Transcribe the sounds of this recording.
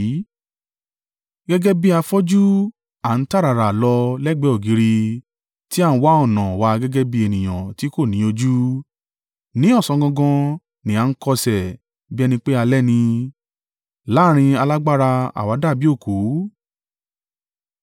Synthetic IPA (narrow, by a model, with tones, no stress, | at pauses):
ɡɛ˦ɡɛ˦bi˦a˧fɔ˦d͡ʒu˦ | a˨n̩˦ta˦˨ɾa˨ɾa˨lɔ˧lɛ˦˨ɡ͡bɛ˨˦ɔ˨ɡi˨˦ɾi˧ | ti˦a˦˨n̩˦wa˦ɔ˦˨nã˨wa˧ɡɛ˦ɡɛ˦bi˧e˨nĩ˨j̃ã̰˨ti˨˦ko˦˨nĩ˨˦o˧d͡ʒu˦ | nĩ˨˦ɔ˦˨sɔ̃˧ɡɔ̃˧ɡɔ̃˧ | nĩ˨ã˨˧n̩˦kɔ˧sɛ˨ | bi˦ɛ˧nĩ˧k͡pe˦a˧lɛ˦nĩ˧ | la˨˦˨ɾ̃ĩ˧a˧la˦ɡ͡ba˦ɾa˧a̰˨wa˨˦da˦˨bi˦o˦˨ku˨˦